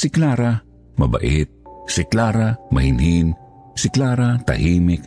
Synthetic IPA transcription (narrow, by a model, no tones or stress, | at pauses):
sɪklaːɾa | mɐba̰ʔɪt̪̚sɪklaːɾamɐhɪnhin | sɪklaːɾat̪ɐ̰hiːmɪk